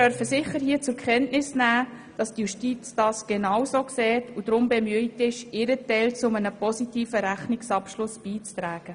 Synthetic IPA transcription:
œrfəsɪχəɾhiːt͡sʊɾkχɛntnɪsnæː | d̥ɑstjuʃtiːt͡sd̥ɑːsɡ̥enɑwsoːksɛːtʰud̥ɾʊmbemyəjtɪʃɪɾətɛlt͡sʊmənəpɔsitiːfəɾæχnɪksɑpʃlʊsb̥iːt͡stɾæːɡ̥ə

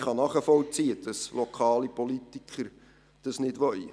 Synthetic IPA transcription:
χɑnɑːχəfɔlt͡siəd̥ɑslokʰɑːlipolitikʰχəɾ | d̥ɑsnɪdʋœi

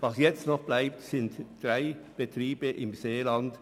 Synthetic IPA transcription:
vɑːsjɛt͡st̪nɔχb̥læɪp̚t̪sɪnt̪d̥ɾæɪb̥ət̪ɾiːbəʔɪmseːlɑnd̪

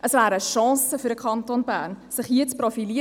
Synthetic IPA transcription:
ʔəsvæːɾəʃɑ̃ːsəfyɾdəkʰɑntonbæːɾnsɪχhiːət͡sprofili

